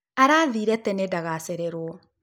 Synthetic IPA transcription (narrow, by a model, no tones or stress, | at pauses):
aɾaːðiːɾɛtɛnedaɣaseɾeɾwɔ